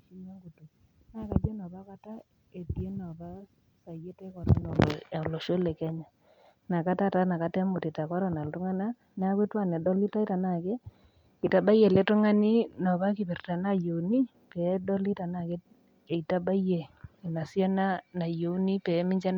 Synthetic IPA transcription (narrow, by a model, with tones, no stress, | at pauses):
ʃi˦ɲa˦ŋɡu˨to˨ | na˦˨ka˨d͡ʒɛ˦nɔ˨ba˦ka˦ta˦ | e˨tje˦nɔ˨ba˦ | sa˨je˦tɛ˦kɔ˨ɾɔ˦nɔ˨ɔ˨lɔ˨ʃo˦lɛ˨kɛ˦ɲa˨ | na˨ka˦ta˦ta˦na˨ka˨˦tɛ˦mʊ˨ti˨ta˨ka˦ɾɔ˦˨na˨ltʊ˦ŋa˦na˦ | n˦a˦ke˦twa˦˨nɛ˨dɔ˦li˦ta˦i˦ta˨na˨ke˦ | kɪ˨ta˦ba˦jɛ˨lɛ˨˦tʊ˦ŋa˦ni˦nɔ˨ba˦kɪ˨bɛ˨rta˨na˦jo˨ni˦ | pɛ˨˦dɔ˦li˦ta˨na˦˨ke˦ | e˨i˨ta˦ba˦je˨na˨sja˦na˦na˨jo˨u˦ni˦pɛ˨˦mɪ˦ɲd͡ʒa˦n